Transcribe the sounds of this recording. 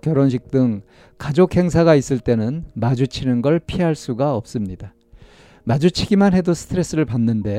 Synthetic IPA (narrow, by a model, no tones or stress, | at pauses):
kjʌɾʌnɕ̬ʰik̚t͈ɯŋ | kad͡ʑokʰhe̞ŋs̬ʰaɡais͈ɯɭt͈e̞nɯnmad͡ʑut͡ɕʰinɯnɡʌɭpʰiɦaɭs͈uɡaʌp̚s͈ɯmɲida | mad͡ʑut͡ɕʰiɡimanɦe̞dosʰɯ̥tʰɯɾe̞s͈ɯɾɯɭpanːɯnde̞